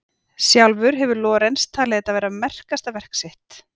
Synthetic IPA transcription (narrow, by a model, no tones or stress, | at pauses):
sjawlvʏɾɦɛvʏɾlɔːɾejnst̪ʰaːlɪɛt̪ːavɛːɾamɛr̥kast̪avɛr̥ksɪht̪